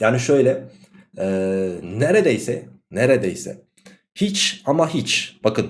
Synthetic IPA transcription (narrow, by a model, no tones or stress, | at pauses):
jaːniʃø̞jlʲɛ | ɛneɾed̪ejsɛ | neɾed̪ejsɛ̰ | hit͡ʃamaɦit͡ʃb̥akʰɯl